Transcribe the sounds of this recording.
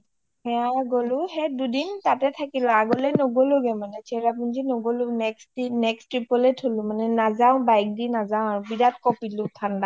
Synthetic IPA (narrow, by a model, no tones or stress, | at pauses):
hɛjaɡolʊhɛdudintatɛtʰakilɔaɡolɛnoɡolʊɡɛmanɛt͡ʃʰɛɹapunzinoɡolʊnɛksinɛkstɹipɔletholʊ̃manɛnazaʊ̃bajk̚dinazaʊ̃aɹʊbidatkɔpilʊtʰanda